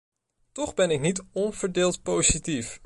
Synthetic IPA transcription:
tɔχbɛnɪknitɔnv̥əɹdɪːlˠtpowzitif

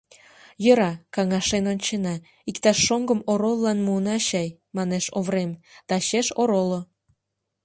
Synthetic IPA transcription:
jəɾɑkɑŋɑʃenonʲt͡ɕenɑ | ikt̪ɑʃːoŋɡəmoɾolːɑnmuənɑɕɑj | mɑneʃoβɾemd̪̥ɑɕeʃoɾolo

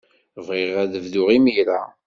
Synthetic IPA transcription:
vʁeʁæðəvðʊʁimijɾa

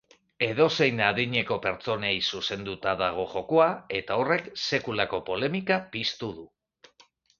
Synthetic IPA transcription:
e̞ðo̞se̞jnaðiɲe̞ko̞pe̞ɾt͡so̞nejsuse̞nd̪ut̪aðaɣ̞o̞ʝo̞koae̞t̪ao̞re̞kse̞kulako̞po̞le̞mikapist̪uðu

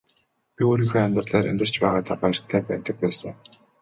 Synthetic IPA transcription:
pʲioːɾiːŋxoːamʲt̪rə̆rɮæːɾḛmʲt̪ə̆r̥t͡ɕpæːʁaːt̪ʰapajə̆r̥t̪ʰːæːpæːrt̪ə̆k̚pæːsə̆ŋ

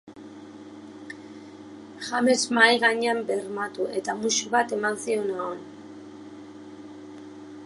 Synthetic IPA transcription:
xame̞zmajɣaɲeambe̞rmat̪ue̞t̪amuʃuβat̪e̞mansio̞naon

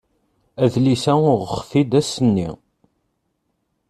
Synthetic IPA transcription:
æðlisæʊʁχfid̪æsənːḭ

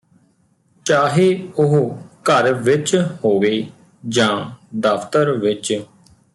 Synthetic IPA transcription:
t͡ʃaːɦeːʊɦkəɾʋɪt͡ʃhoːʋeː | d͡ʒãːd̪əpʰt̪əɾʋɪt͡ʃ

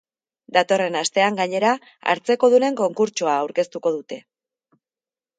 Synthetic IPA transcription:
d̪at̪o̞re̞nast̪e̞aŋɡaɲe̞ɾa | a̰ɾt͡se̞ko̞ðuɾe̞ŋko̞ŋkuɾt͡ʃoaːwɾke̞st̪uko̞ð̞ut̪e̞

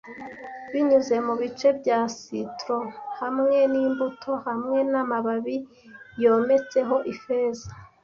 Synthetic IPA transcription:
βiɲuze̞muβit͡ʃe̞bɟaːsitɾo̞hamŋe̞niːmbutʰo̞hamŋe̞namaβaβi | jo̞ːme̞t͡se̞ɦo̞ʔifeːza

